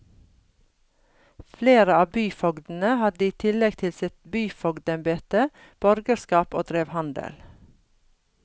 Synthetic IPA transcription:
fleːɾəɑːbyːfɔɡd̪n̩əhɑd̪əiːt̪ʰɪlɛɡ̚t̪ʰɪlsɪt̪byːfɔɡd̪ɛmbeːt̪ə | b̥ɔɾɡəskɑːpoːd̪̥ɾeːʋhɑnd̪ə̰l

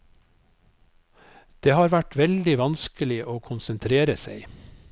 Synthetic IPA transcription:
d̪̥eːhɑːɾʋæʈʋɛld̪ɪʋɑnskəlɪʔoːkʰʊnsənt̪ʰɾeːɾəseɪ

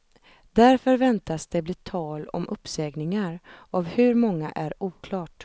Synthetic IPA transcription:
d̪æɾfœɾvɛnt̪asd̪ɛblɪːt̪ʰɑːlɔ̰mʔɵpːsɛːɡnɪŋaɾavhɵɾmɔŋːa̰ʔæɾuːkʰlɑːʈ

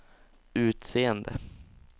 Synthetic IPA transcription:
ʉ̟ːt̪seːənd̪ə̰

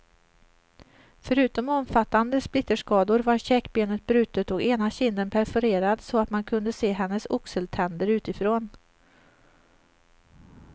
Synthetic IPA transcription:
fœɾʉ̟ːt̪ɔmɔmfat̪ːand̪əsplɪt̪ːəʂkɑːd̪ʊɾvaɾɕɛkːbeːnət̪̚bɾʉ̟ːt̪ət̪ɔkeːnaɕɪnd̪ənpʰæɾfœɾeːɾad̪sɔat̪mankʰɵnd̪əseːɦɛnːəsʊksəlt̪ʰɛnd̪əɾʉ̟ːt̪ɪfɾoːn

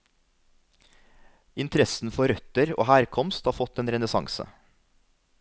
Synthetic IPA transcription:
ɪnt̪ʰɾɛsn̩fɔɾœt̪əɾo̰ːhæːɾkʰɔmst̪hɑːfɔt̪eːnɾɛnəsɑ̰ŋsə̰

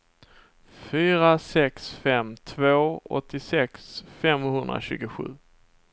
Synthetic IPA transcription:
fyːɾasɛksfɛmt̪ʰvoːɔ̰t̪ːɪsɛksfɛmhɵnd̪ɾa̰ɕʉ̟ːɡʊɧʉ̟̰ː

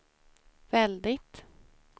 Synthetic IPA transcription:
vɛld̪ɪt̪

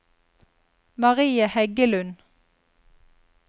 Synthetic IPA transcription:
mɑʁiːəhɛɡəlʉn

